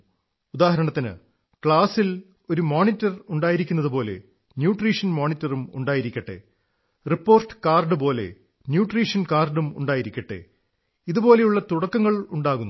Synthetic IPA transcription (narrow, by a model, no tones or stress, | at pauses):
ud̪aːhɐɾɐɳɐt̪ːinɨ̰ | kɭaːsil | o̞ɾumoːnitːɐruɳɖaːjiɾikʲːun̪ːɐðɨpo̞ːle̞̰ | njuːʈriːʂɐnmoːnitːɐrumṵɳɖaːjiɾikʲːɐʈːḛ | ripːo̞ːrʈɨ̥kaːrɖɨpo̞ːle̞̰ | njuːʈriːʂɐnkaːrɖumṵɳɖaːjiɾikʲːɐʈːḛ | iðubo̞ːle̞juɭːɐt̪uɽɐkːɐŋːɐɭuɳɖaːɣunː